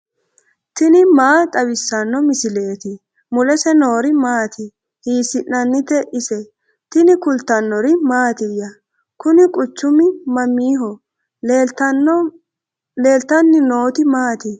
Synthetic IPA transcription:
t̪ɪnɪmaːt̪ʼɐβɪsːɐnːɔmɪsɪle̞ːt̪ɪ | mʊlɛsɛno̞ːɾɪmaːt̪ʰɪ | hiːsɪʔnɐnːɪt̪ɛʔɪsɛ | t̪ɪnɪkʊlt̪ːɐnːɔɾɪmaːt̪ɪjɐ | kʊnɪkʼʊt͡ʃːʊmɪmɐmiːɦɔ | le̞ːlt̪ɐnːɪnoːt̪ɪmaːt̪ɪ

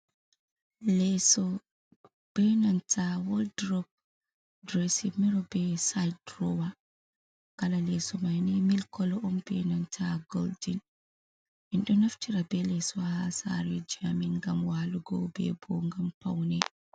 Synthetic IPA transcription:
lɛsɔ | b̥ɛnantʰawɔldɾɔp̚ | dɾɛsimiɾɔbɛsajdɾɔwa | kalalɛsɔmajnɛmilkɔlɔʔɔmbɛnantʰaɡɔldin | ʔinɗɔnaftiɾabɛlɛsɔhasa̰ɾɛd͡ʒiaminŋɡamwaluɡɔbɛ̰bɔŋɡampa̰wnɛ

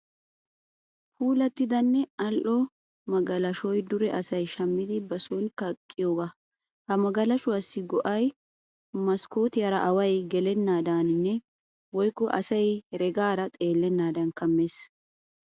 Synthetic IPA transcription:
puːlɐt̪ːɪd̪ɐnːɛɐlʔɔ | mɐɡɐlɐʃɔjd̪ʊɾɛʔɐsɐjʃɐmːɪd̪ɪbɐsɔnkɐkʼːɪjoːɡa | hɐmɐɡɐlɐʃʊwɐsːɪɡɔʔɐj | mɐskoːt̪ɪjɐɾɐʔɐwɐjɡɛlɛnːaːd̪aːnɪnːɛ | wɔjkːɔʔɐsɐjɾɛɡaːɾɐt̪ʼe̞ːlːɛnːaːd̪ɐnkɐmːeːs

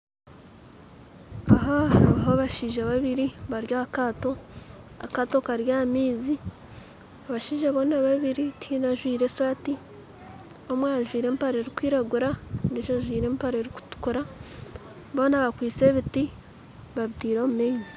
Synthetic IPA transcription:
aɦoaɦoβaʃiːʒaβaβiɾiβaɾjaːkaːto̞ | a̰katokaɾjaːmiːzi | aβaʃiːʒaβo̞ːnaβaβiɾitʰinaʒwiːɾe̞saːti | o̞mwaʒwiːɾe̞ːmpaɾe̞ɾikwiːɾaɡuɾaβiʃaʒwiːɾe̞ːmpaɾeɾiku̥tu̥kuɾa | βo̞ːnaβakwiːt͡se̞βiti | βaβitiːɾo̞ːmumizi̥

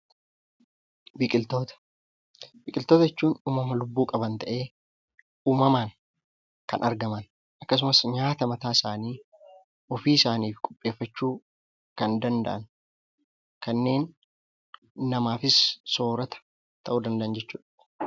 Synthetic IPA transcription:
bikʼɪlt̪oːt̪ɐ̥ | bɪkʼɪlt̪oːt̪ɐɛt͡ʃːuːnuːmɐmɐlʊbːuːkʼɐbɐnt̪ɐʔe̞ː | uːmɐmɐŋ | kɐnʔɐɾɡɐmɐn | ʔɐkːɐs̬ʊmɐsɲaːt̪ɐmɐt̪aːɪsaːniː | ɔfiːɪsaːniːfkʼʊ̥pʼːe̞ːfːɐt͡ʃːuː | kɐnd̪ɐnd̪ɐ̰ʔɐn | kɐnːe̞ːn | ɐmaːfɪsso̞ːɾɐt̪ɐ̥ | t̪ɐʔuːd̪ɐnd̪ɐʔɐnd͡ʒɛt͡ʃːuːᶑɐ̥

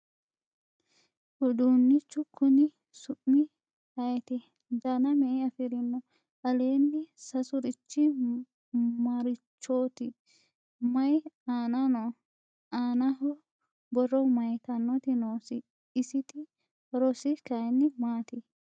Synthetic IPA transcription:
ʔʊd̪uːnːɪt͡ʃːʊkʰːʊnɪ | sʊʔːɪ | hɐjɛt̪ɪ | d̪ɐnɐmɛʔɐfɪɾɪnːɔ | ʔɐleːnːɪsɐsʊɾɪt͡ʃːɪ | mɐɾɪt͡ʃːoːt̪ɪ | mɐjaːnɐnɔ | aːnɐɦɔ | bɔrːɔmɐjt̪ɐnːɔt̪ɪnoːsɪ | ɪsɪt̪ɪ | ɾɔsɪkɐjnːɪmaːt̪ɪ

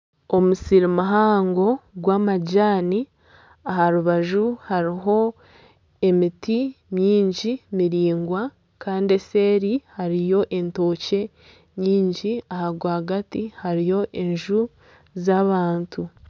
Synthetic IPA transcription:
o̞musiɾimaɦaːŋɡo̞ɡwaːmaɟaːni | aɦaɾuβaʒuhaɾiɦo̞ | e̞mitimɲiːɲɟimiɾiːŋɡwa | kaːndie̞se̞ːɾihaɾijo̞ʔe̞nto̞ːce̞ | ɲiːɲɟiahaɡwaaɡatihaɾijo̞ʔeɲʒu | zaːβaːntu

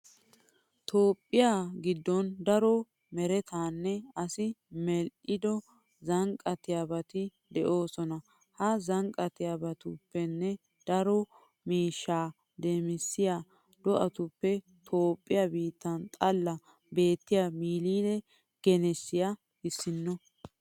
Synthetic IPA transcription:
t̪ʰo̞ːpʼːɪjaɡɪd̪ːɔnd̪ɐɾɔ | mɛɾɛt̪aːnːɛɐsɪmɛlʔɪd̪ɔ | zɐŋkʼɐt̪ɪjabɐt̪ɪ | d̪ɛʔo̞ːsɔnɐ | hɐzɐŋkʼɐt̪ɪjabɐt̪ʊpːɛnːɛ | d̪̥ɐɾɔ | miːʃːaː | d̪eːmɪsːɪja | d̪̥ɔʔɐt̪ʊpːɛ | t̪ʰo̞ːpʼːɪjabiːt̪ːɐnt̪ʼɐlːɐ | be̞ːt̪ːɪjamiːliːd̪ɛ | ɡ̥ɛnɛsːɪja | ɪsːɪnːɔ

